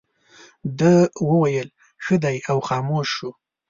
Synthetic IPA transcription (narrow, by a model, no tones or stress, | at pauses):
d̪əwəwajəl | xəd̪ajawxɑːmoʃu